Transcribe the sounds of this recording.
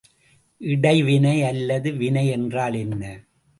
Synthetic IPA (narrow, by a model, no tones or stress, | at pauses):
ʔɪɽɐɪʋɪnɐɪɐlːɐðɯʋɪnɐɪɛndraːlɛnːɐ